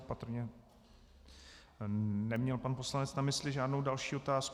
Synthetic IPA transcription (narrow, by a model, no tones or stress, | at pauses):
pat̪ɾ̩ɲɛ | nɛmɲɛlpanpo̞slanɛt͡snamɪslɪʒaːdno̞wdalʃiːot̪aːsk